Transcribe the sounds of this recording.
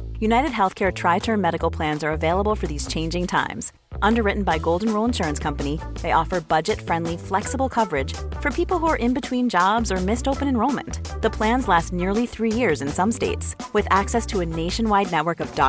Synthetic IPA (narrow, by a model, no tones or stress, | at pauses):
jʉnaɪɾɨd̚ɦɛlˠθkʰɛɹtʰɹ̥aɪtʰɜ̃˞nmɛɾɨkl̩ˠpʰl̥æ̃nzə˞ɨveɪlˠəbl̩ˠfə˞ðiz̥t͡ʃʰẽɪ̃nd͡ʒɪ̃ŋtʰã̰ɪ̃mz̥ | ʔʌ̃ndə˞ɹɪʔn̩baɪɡoʊlˠdⁿn̩ɹoʊlə̃nʃʊɹɨ̃nskʰʌ̃mpɨniðeɪʔɔfə˞bʌd͡ʒɨtfɹɛ̃ndˡliflɛksəbl̩ˠkʰʌvə˞ɪd̥ʒ̥fə˞pʰipl̩ˠhuə˞ʔɨ̃nbɨtʰw̥ĩnd͡ʒɑbzə˞mɪstoʊpɨ̃ñɨ̃nɹoʊlˠmɨ̰̃nðəpʰl̥æ̃nzlæstⁿnɪɹlˠiθɹijɪɹzɨ̃nsʌ̃msteɪtswɨðæksɛstʰəɨneɪʃɨ̃nwaɪdⁿnɛt̚wə˞kʌvdɑ̰